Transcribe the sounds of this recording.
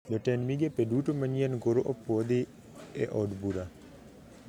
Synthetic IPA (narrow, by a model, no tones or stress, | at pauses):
dɔtɛnmiɡepedutomaɲjɛnɡoɾoʔɔpɔd̪ɪ | ɛʔɔdbuɾa